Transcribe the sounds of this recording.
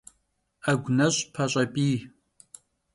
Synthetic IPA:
ɐɡʷnɐɕʼpʰɐɕʼɐbʼiː

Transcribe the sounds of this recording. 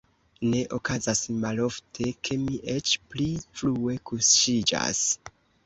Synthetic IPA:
ne̞ʔo̞kazasmalo̞ftʰe̞kʰe̞miʔe̞t͡ʃplifɾue̞kusʃid͡ʒa̰s

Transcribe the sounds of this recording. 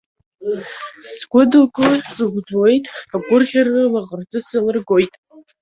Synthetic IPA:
sɡʷʊdɨlɡʼosɨɡʷd͡zwejtʼaɡʷʊrχʲarnɨlaʁərd͡zʼɨsɨlɨrɡo̞jtʼ

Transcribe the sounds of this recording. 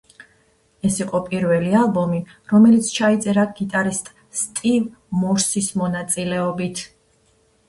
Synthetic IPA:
ɛsiqʼɔpʼiɾvɛlialˠbɔmi | ɾɔmɛlit̪sʰt͡ʃʰait̪sʼɛɾaɡit̪ʼaɾist̪ʼ | st̪ʼiv | mɔɾsismɔnat̪sʼilɛɔbit̪ʰ

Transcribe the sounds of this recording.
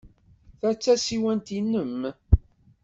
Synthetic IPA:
θæt͡sːæsiwænt̪inːəm

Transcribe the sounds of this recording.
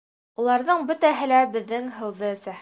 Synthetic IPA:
ulˠɑɾðɤɴbɵ̆t̪æɦɘ̆læbɘ̆ðːɘŋɦɤ̆wðɤsæh

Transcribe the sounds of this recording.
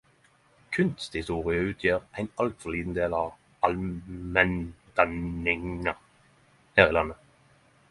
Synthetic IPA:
kʰʉnst̪hɪst̪uːʁɪəʉːt̪ʰjiːʁʔæɪnɑlt̪fɔliːd̪n̩d̪eːlɑːʋ | ɑlmɛnd̪̥ɑnɪŋə | hæːʁiːlɑnːə

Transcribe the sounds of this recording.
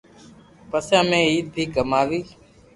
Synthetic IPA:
pəsãːmẽːiːt̪̚iːkəmaːʋiː

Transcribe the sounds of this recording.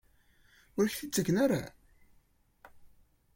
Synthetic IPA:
ʊɾçθit͡sːəɡnaɾa̰

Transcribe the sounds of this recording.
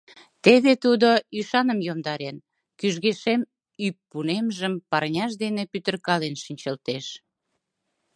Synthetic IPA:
t̪eβet̪ud̪oyʃɑnəmjomd̪ɑɾen | kyʒɣeʃem | ypːunemʒəmpɑrnʲɑʃ̬d̪enepyt̪ə̆rkɑlenʃinʲt͡ɕəlt̪eʃ

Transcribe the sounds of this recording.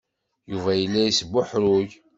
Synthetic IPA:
juvæjəlːæjisbʊħɾʊʝ

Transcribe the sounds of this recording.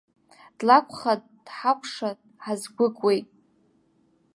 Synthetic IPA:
d̥lakʷʰʼχad̚ | d̥ħakʷʰʼʂa | ħazɡʷʊkʷʼwejtʼ

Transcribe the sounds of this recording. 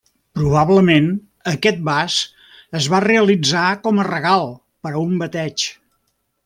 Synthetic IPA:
pɾuβaβləmen | əkɛt̪̚bas | əzβareəlid͡zakɔmərəɣalˠ | pəɾəumbət̪ɛt͡ʃ

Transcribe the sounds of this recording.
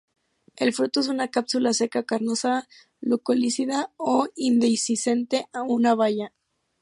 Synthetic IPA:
e̞lfɾut̪oe̞s̬unakapsulase̞kakaɾnosa | lukolisiðaoind̪ejsise̞nt̪e̞ʔaunaβ̞aʝa

